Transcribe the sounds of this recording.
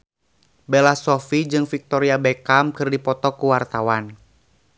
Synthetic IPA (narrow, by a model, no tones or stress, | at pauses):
bɛlasɔfid͡ʒɨŋfik̚t̪ɔɾiabekamkɨrdipɔt̪ɔkuwart̪awan